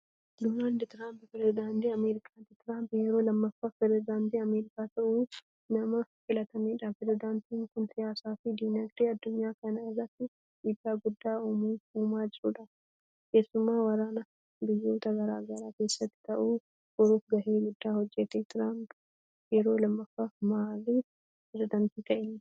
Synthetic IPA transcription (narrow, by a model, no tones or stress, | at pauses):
d̪oːnaːld̪t̪ɪɾaːmppɾɛzɪd̪aːnt̪iːɐmeːɾɪkʰaːt̪ɪt̪ɪɾaːmpjɛɾo̞ːlɐmːɐfːaːpɾɛɛzɪd̪aːnt̪iːɐmeːɾɪkaːt̪ɐʔuː | nɐmɐfɪlɐt̪ɐmiːᶑɐpɾɛzɪd̪aːnt̪iːŋkʊnsɪjaːsaːfɪd̪iːnɐɡd̪eːɐd̪ːʊɲːaːkɐnɐɪrːɐt̪ːɪ | d̪iːd̪ːaːɡʊd̪ːaːuːmiːuːmaːd͡ʒɪɾuːᶑɐ | ke̞ːsːʊmːaːwɐɾaːnɐ | bɪjːo̞ːt̪ɐɡɐɾaːɡɐɾaːke̞ːsːɐt̪ːɪ̥t̪ɐʔuː | ɡ̥ɔɾuːfɡɐhe̞ːɡʊd̪ːaːhɔd͡ʒːɛt̪eːt̪ɪɾaːmp | jɛɾo̞ːlɐmːɐfːaːmaːliː | pɾɛzɪd̪ɐnt̪iːk̪ɐʔɛnː